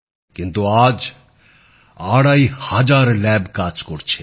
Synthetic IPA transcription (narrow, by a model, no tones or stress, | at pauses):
kɪ̃nt̪uaːd͡ʒ | aːɽaːihad͡ʒaːɾlɛːbkaːt͡ʃkoɽt͡ʃʰe